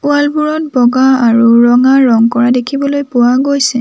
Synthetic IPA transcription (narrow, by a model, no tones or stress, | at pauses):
ʊalbuɹɔt̚bɔɡaaɹuɹɔŋaɹɔŋkɔɹadekʰibɔlojpʊwaɡojsɛ